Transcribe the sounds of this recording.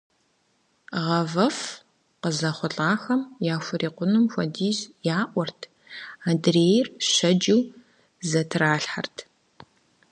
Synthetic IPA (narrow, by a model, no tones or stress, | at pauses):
ʁɐvɐf | qəzɐχʷʊɬʼaːxɐmjaːxʷʊɾiːqʷʊnɨmxʷɔ̰diːzjaːʔʷɔrtʰ | aːdreːjɪrɕɐd͡ʒɪw | zɐtʰraːɬħa̰rtʰ